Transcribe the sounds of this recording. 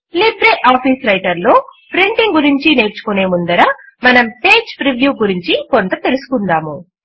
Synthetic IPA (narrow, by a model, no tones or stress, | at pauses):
libɾeːʔaːpʰiːsɾɐjʈɐɾlo̞ːpɾiɳʈiŋɡuɾiɲt͡ʃine̞ːɾt͡ʃu̥kune̞ːmund̪ɐɾɐ | mɐnɐmpeːd͡ʒpɾiʋjuːɡuɾiɲt͡ʃikont̪ɐt̪e̞lusu̥kund̪aːmu